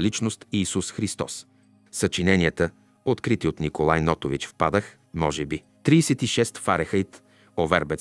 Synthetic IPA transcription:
lit͡ʃnost̪iːsusxɾist̪ɔ̰s | sət͡ʃinɛniət̪ə | ot̪kɾit̪iot̪nikolˠajnɔt̪ovit͡ʃfpad̪əx | mɔʒɛbi | t̪ɾiːsɛt̪iʃɛst̪faɾɛxəit̪ | ovɛɾbɛt̪

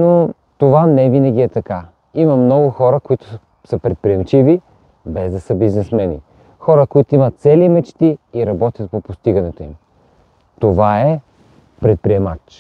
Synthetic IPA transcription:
no | t̪ovanɛvinəɡ̟ʲiɛt̪ɐka | imɐmnɔɡʊxɔɾəkoit̪ʊ̥ | səpɾɛt̪̚pɾiɛmt͡ʃivi | bɛzd̪ɐsəbiznɛsmɛnḭ | xɔɾəkoit̪oimət̪t̪sɛlimɛt͡ʃt̪iiɾɐbɔt̪ʲjət̪̚popost̪iɡɐnɛt̪oḭm | t̪ovaɛ | pɾɛt̪̚pɾiɛmat͡ʃ

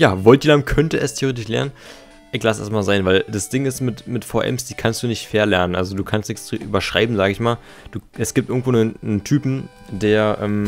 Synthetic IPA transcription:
jaːvɔlt̚ʔiːlamkʰœntəʔɛstʰeoeːtɪʃlɛ̰ɐnən | ʔɪçlasʔɛ̰ɐstmaːlzaɪnvaɪld̥asd̥ɪŋɪstmɪtmɪtfaʔɛ̰msd̥iːkʰanstd̥uːnɪçtfeːɐlɛɐnənʔalzoduːkʰanstnɪçt͡siʔyːbɐʃʁ̥a̰ɪbm̩zaːɡəɪçmaːl | d̥uːʔɛsɡ̥iːp̚tʔɪɐɡŋ̩tv̥oːnənnəntʰyːpm̩ | d̥eːɐʔɛ̰ːm

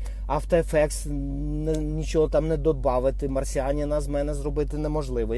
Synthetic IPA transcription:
ɐwt̪ɔɛfɛks | nɛnʲit͡ʃɔɦɔt̪ɑmnɛd̪ɔbɑʋɪt̪ɪmɐrsʲiɑnʲɐnɑzmɛjɛnɛzrɔbɪt̪ɪnɛmɔʒlˠɪʋɔ

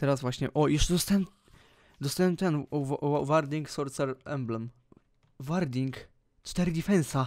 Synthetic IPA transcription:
t̪ɛɾazvwaɕɲɛʔɔjɛʂt͡ʂɛd̪ɔst̪awɛm | d̪ɔst̪awɛmt̪ɛnvvaɾd̪ʲiŋksɔɾt̪sɛɾɛmblɛm | vaɾd̪ʲiŋk | t͡ʂt̪ɛɾɘd̪ʲifɛ̃nsa

